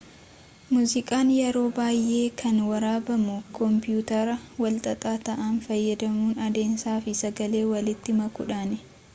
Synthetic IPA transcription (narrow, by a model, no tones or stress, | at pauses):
muːzɪkʼaːnjɛɾo̞ːbaːjʔe̞ːkʰɐnwɐɾaːbɐmʊkʰɔmpɪjuːt̪ɐɾɐwɐlt̪ʼɐt̪ʼaːt̪ɐʔɐnfɐjːɐd̪ɐmuːnɐd̪e̞ːnsaːfɪsɐɡɐle̞ːwɐlɪt̪ːɪmɐkʊ̰ᶑaːnɛ